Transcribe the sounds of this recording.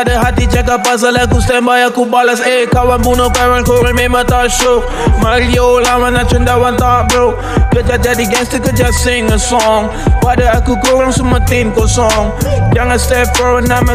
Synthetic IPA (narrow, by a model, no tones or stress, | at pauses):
adəɦat̪id͡ʒak̬apːas̬alak̬ust̪ɛmbajakubalas̬ekawanbunopawankoɾamemat̪aʃok | maɾiolamanat͡ʃʊndawant̪aʔbo | kəd͡ʒad͡ʒadiɡɛst̪əkəd͡ʒasɪŋəsɔŋ | padəakukoɾaŋsumət̪ɪnkɔsɔŋjaŋəst̪ɛfɔwənamə